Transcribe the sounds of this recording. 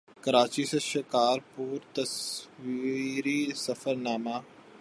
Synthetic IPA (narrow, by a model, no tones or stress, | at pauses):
kəɾaːt͡ʃisɐʃɪkaːɾpuːɾt̪əswiɾisɐfəɾnaːmaː